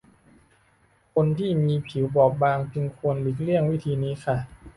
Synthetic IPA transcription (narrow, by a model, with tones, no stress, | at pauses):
kʰo˧nt̪ʰiː˥˩miː˧pʰi˩˦wbɔː˨˩k̚baː˧ŋt͡ɕɯ˧ŋkʰu˧ənlɯ˨˩˦k̚li˥˩əŋwi˦˥˩t̪ʰiː˧niː˦˥kʰa˥˩